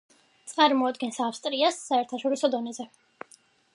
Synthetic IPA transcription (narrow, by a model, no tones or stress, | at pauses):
t̪sʼqʼaɾmɔad̪ɡɛnsafst̪ʼɾiasːaɛɾt̪ʰaʃɔɾisɔd̪ɔnɛzɛ